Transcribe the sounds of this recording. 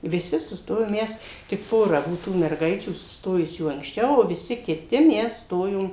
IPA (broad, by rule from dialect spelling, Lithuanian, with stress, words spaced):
ʋʲɪˈsʲɪ sʊˈstoːjoːm ˈmʲɛs tʲɪk ˈpoːrɐ ˈbuɔ tuː mʲɛrˈɡɐɪt͡ʃʲuː sʊsˈtoːjʊsʲuː ɐŋksʲˈt͡ʃʲɛʊ oː ʋʲɪˈsʲɪ kʲɪˈtʲɪ ˈmʲɛs ˈstoːjoːm